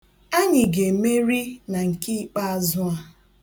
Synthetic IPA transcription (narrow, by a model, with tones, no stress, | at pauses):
a˦ɲɪ˨ɡe˨me˦ɾi˦na˨ŋ̩˨ki˦k͡pa˦a˨zʊ˦a˦